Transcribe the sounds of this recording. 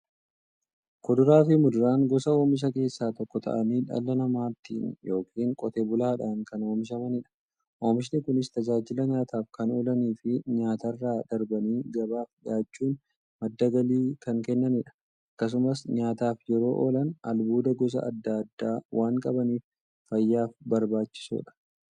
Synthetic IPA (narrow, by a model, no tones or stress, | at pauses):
kɔd̪ʊɾaːfɪmʊd̪ʊɾaːŋɡɔsɐo̞ːmɪʃ̬ɐke̞ːsːaːt̪ɔkːɔt̪ʰɐ̰ʔɐniːᶑɐ̰lːɐnɐmaːt̪ːḭːnjo̞ːkʰiːŋkʼɔt̪eːbʊlaːᶑaːŋkɐno̞ːmɪʃ̬ɐmɐnɪᶑɐ̥ | ʔo̞ːmɪʃ̬nɪkʊnɪst̪ɐd͡ʒaːd͡ʒɪlɐɲaːt̪ʰaːfkɐnoːlɐniːfɪɲaːt̪ɐrːaːd̪ɐɾbɐniːɡɐbaːfᶑɪaːt͡ʃːuːn | mɐd̪ːɐɡɐliːkɐŋkɛnːɐnɪᶑɐ̥ | ʔɐkːɐs̬ʊmɐsɲaːt̪aːfjɛɾo̞ːʔo̞̰ːlɐnɐ̰lbuːd̪ɐɡɔs̬ɐ̰ʔɐ̰d̪ːɐd̪ːaːwʔaːŋkʼɐbɐniːf | fɐjːaːfbɐɾbaːt͡ʃːɪ̥sṵːᶑɐ̥